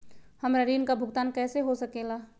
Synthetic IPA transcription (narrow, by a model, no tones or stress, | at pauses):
hɐmɾəɾiːnkabʱʊɡt̪aːnkɛːseɦosɐkeːlaː